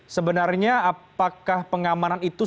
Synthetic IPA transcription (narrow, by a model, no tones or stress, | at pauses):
səbənarɲaapakahpəŋamananit̪u